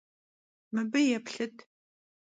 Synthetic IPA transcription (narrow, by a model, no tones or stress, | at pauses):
mɨbɨjɛpɬɨtʰ